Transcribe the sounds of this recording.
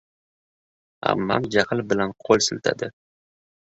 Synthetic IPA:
a̰mːa̰md͡ʒaqʰɨlbɪlanqʰolˠsɪlt̪ʰa̰d̪ɪ

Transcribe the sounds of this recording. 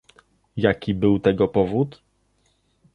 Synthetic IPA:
jakʲibɘwt̪ɛɡɔpɔvut̪

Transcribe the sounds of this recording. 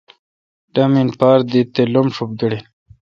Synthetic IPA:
ɖaminpaːɾd̪it̪elomʂup̚ɡiɽin

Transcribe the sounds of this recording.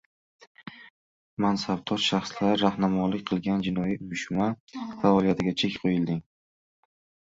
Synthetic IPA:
mansab̚t̪ʰɒɾʃaχslaɾɾahnamɒlɪkʲqʰɨlˠɡʲand͡ʒɪnɒjiʊjɪʃmafaɒlijat̪ʰɪɡʲat͡ʃʰe̞kʲqʰojɪld̪ɪŋ

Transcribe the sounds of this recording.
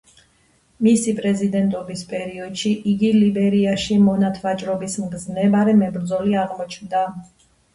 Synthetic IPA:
misipʼɾɛzid̪ɛnt̪ʼɔbispʼɛɾiɔd̪̥ʃiʔiɡilibɛɾiaʃimɔnat̪ʰvat͡ʃʼɾɔbismɡznɛbaɾɛmɛbɾd̪zɔliaʁmɔt͡ʃʰnd̪a

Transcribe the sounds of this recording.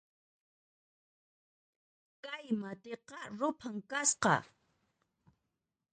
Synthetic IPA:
kajmat̪eqɑɾʊpʰaŋkasqɑ̰

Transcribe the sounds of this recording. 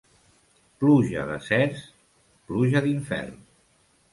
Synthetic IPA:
pluʒə̰ðə̰sɛs | pluʒəðiɱfɛ̰rn

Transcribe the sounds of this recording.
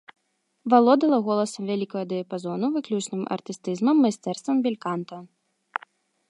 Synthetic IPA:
valˠɔd̪ɐlˠɐɣɔlˠɐsɐmvʲalʲikɐɣɐd̪ɨjɐpazɔnuvɨklʲut͡ʂnɨmʔɐ̰rt̪ɨst̪ɨzmɐmːajsʲt̪ɛrst̪vɐmbʲilʲkant̪ɐ

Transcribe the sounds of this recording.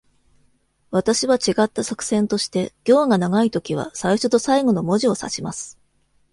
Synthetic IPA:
βat̪aɕiβat͡ɕiɡat̪ːasakɯ̟̥sẽ̞nt̪o̞ɕi̥t̪e̞ɡ̥ʲo̞ːɡanaɡait̪o̞kʲiβa̰saiɕo̞t̪o̞saiɡo̞no̞mo̞ʑio̞sa̰ɕimasɨ̥

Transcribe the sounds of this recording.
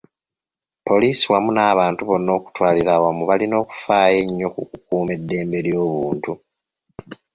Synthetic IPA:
po̞liːsiwamunaːβaːntuβo̞nːo̞ːku̥twaːliɾaːwamuβalino̞ːku̥faːje̞ɲːo̞kukukuːme̞dːe̞ːmbe̞ɾjo̞ːβuːntu

